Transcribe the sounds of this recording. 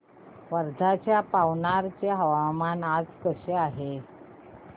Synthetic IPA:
ʋəɾd̪ʱat͡ɕjapaʋnaɾt͡ɕaɦəʋamanad͡zkəɕeaɦe

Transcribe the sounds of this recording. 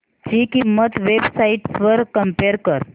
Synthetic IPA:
t͡ɕiːkimət̪ʋebsaiʈsʋəɾkəmpeɾkəɾ

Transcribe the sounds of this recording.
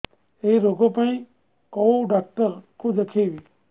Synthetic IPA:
eɾoɡopəɳi | kowɖak̚ʈəɾkʰud͡ʒəkʰeʋi

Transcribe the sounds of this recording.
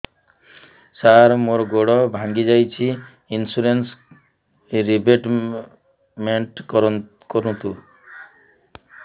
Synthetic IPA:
saɾmoɾɡoɽɔbʱãŋɡid͡ʒajt͡ʃʰi | insuɾens | ɾibeʈ | meɳʈkɔɾɔ | kɔɾunt̪u

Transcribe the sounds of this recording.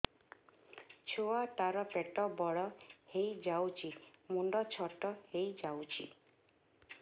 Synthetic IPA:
t͡ʃʰoat̪aɾɔpeʈɔbɔɭɔhejd͡ʒawt͡ʃʰimunɖɔt͡ʃʰɔʈɔhejd͡ʒawt͡ʃʰḭ

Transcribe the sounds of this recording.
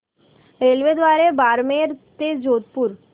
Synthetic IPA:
ɾelʋed̪ʋaɾebaɾmeɾt̪ed͡ʒoːt̪puɾ

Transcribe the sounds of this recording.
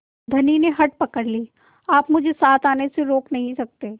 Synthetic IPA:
d̪ʱɐnineɦɐʈ̚pɐkəɾliː | aːpmʊd͡ʒʱesaːt̪ʰaːneseɾoːknɐɦĩsɐk̚t̪eː

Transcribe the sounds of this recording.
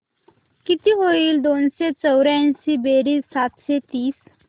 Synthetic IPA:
kit̪iɦoild̪oːnset͡səwɾansibeɾisat̪set̪iːs

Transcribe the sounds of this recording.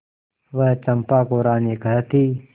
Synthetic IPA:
ʋəɦt͡ʃɐmpaːkoːɾaːneːkɐɦt̪i

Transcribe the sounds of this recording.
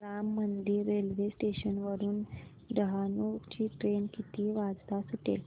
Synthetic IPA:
ɾamːənd̪iːɾːelʋesʈeɕənʋəɾuːn | ɖəɦanut͡ɕiːʈɾenkit̪iːʋad͡zt̪asuʈḛl

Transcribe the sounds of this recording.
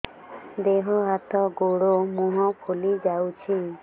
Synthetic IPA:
d̪eɦɔɦat̪ɔɡoɽomuɦɔpʰolid͡ʒawt͡ʃʰi

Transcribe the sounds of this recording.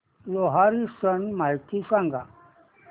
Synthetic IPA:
loɦaɾisənmajt̪ʰisãŋɡa

